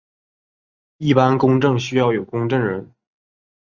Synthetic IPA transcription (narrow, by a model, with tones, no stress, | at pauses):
i˥˩pa˥nkʊ˥ŋʈ͡ʂɤ˥˩ŋɕy˥jɑ˥˩ʊjo˨˩ʊkʊ˥ŋʈ͡ʂɤ˥˩ŋɻə˧˥n